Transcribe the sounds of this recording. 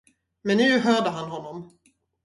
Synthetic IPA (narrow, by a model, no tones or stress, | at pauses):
mɛnːʉ̟ːɦœːɖəɦanɦɔnːɔm